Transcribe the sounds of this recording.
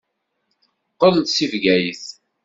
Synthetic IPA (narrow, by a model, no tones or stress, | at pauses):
qəlt̪sivɡæjiθ